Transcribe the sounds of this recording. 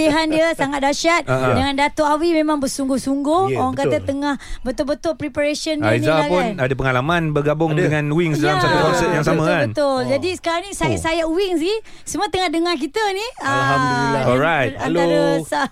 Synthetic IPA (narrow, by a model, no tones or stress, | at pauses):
iɦandiəsaŋat̪̚daʃat̪̚dəŋandat̪oʔawimẽmãŋbəsuŋɡʊhsuŋɡʊho̰ɾaŋkat̪ət̪əŋahbət̪ʊlbət̪ʊlpɾipaɾesənːaizaaɡpʊanadap̬əŋalamanbəɡabʊŋdəŋanwiŋsədalamsat̪uaksət̪̚jaŋsamə̃kabənt̪ʊld͡ʒadisə̥kaɾaŋnĩsajasajaʔwiŋsi | səmət̪əŋahdəŋahk̬it̪əniə | ɔɾajt̪alaɾəsa